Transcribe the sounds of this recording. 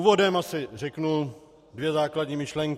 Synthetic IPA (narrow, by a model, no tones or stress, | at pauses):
uvo̞dɛmasɪrɛknu | dvjɛzaːkladɲiːmɪʃlɛŋk